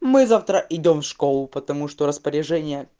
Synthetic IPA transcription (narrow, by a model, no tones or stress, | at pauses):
mɨzaft̪ɾəʔɪdʲo̞mfʂkolˠʊpət̪ɐmuʂt̪oɾəspəɾʲɪʐɛnʲɪjə